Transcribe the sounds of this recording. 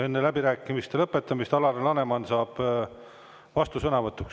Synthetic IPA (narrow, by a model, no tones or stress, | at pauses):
e̞nːelæbiɾæːkːˑimist̪elɤpːˑe̞t̪ːˑɑmist̪ɑlɑɾelɑne̞mɑnsɑːb̥ | vɑst̪usɤnɑvɤt̪ːˑuks